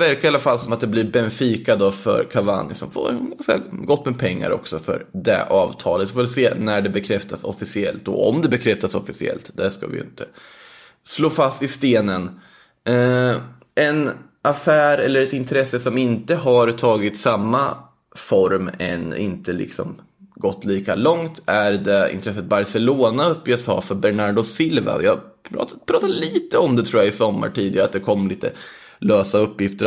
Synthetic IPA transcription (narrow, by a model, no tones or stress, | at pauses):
væɾkaɾalːafalːsɔmat̪̚d̪ɛblɪbɛnfiːkad̪ɔfœ̰ɾkʰava̰nɪsɔmfo̰ːɾɛnɡanska̰ɡɔt̪ːmɛpʰɛŋːa̰ɾɔ̰ksɔfœ̰ɾɖ̪ɛ̰ʔɑːvt̪ʰɑːlət̪vɪfoːvɛlseːnæɖɛbɛkʰɾɛft̪asɔfɪsɪɛlt̪ɔ̰ɔmd̪ɛbɛkʰɾɛft̪asɔfɪsɪɛ̰lt̪d̪æʂka̰vɪ̰jɪ̰nt̪ʰə | sloːfast̪ɪst̪eːnən | ʔɛn | ʔafæːɾɛlːəɾɛt̪ɪnt̪ʰɾɛsːəsɔmɪnt̪əɦaɾt̪ʰɑːɡɪt̪samːa | fɔɾmɛ̰nɪ̰nt̪əlɪ̰ksɔ̰m | ɡɔt̪ːliːka̰lɔŋt̪æɾd̪ɛɪ̰nt̪ɾɛs̬ːət̪̚baɾsɛloːnaɵpːʏɛsɑ̰ːfœɾbɛɳaɖʊsɪlva̰jɑɑ̰pʰɾɑːt̪ːad̪liːt̪əɔmd̪ɛt̪ʰɾuːjaɪsɔmːa̰ʈiːd̪ɪɡaɾa̰t̪̚d̪ɛkʰɔmːliːt̪ə̰ | løːsaɵpːjɪft̪əɾ